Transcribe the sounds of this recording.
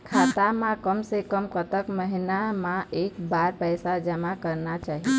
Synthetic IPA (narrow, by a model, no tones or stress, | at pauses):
kʰat̪amãkəmsekəmkət̪əkməɦinamãekbaɾpəjsad͡ʒəmakəɾnat͡ʃaːɦi